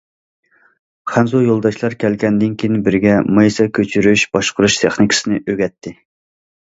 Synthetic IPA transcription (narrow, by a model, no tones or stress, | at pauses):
χænzujolˠd̪ɑʃlˠɑɾkʲʰɛlkʲɛnd̪ɪnkʲʰijnbɪɾɡʲɛmɨjsɑkʲʰøt͡ʃʰyɾyʃb̥ɑʃqʰʊɾuʃt̪ʰeχnikʰʲsɨnɪʔøɡʲɛt̪ʰːɪ